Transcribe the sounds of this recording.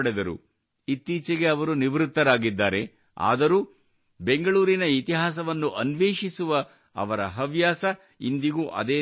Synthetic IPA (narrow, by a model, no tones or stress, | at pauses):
ɽed̪ɐɾṵ | it̪ːiːt͡ʃɛɡe̞ɐʋɐɾuniʋɾut̪ːɐɾaːɡid̪ːaːɾe̞ | a̰ːd̪ɐɾuː | be̞ŋɡɐɭuːɾinɐit̪iɦaːs̬ɐʋɐnːuʔɐnʋeːʂisuʋɐ | ɐ̰ʋɐɾɐɦɐʋjaːsɐ | ind̪iɡuːʔɐ̰d̪eː